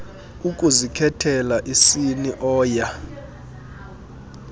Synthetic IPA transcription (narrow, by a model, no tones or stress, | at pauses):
ukʼuzikʰɛtʰɛlaʔisiniʔɔːja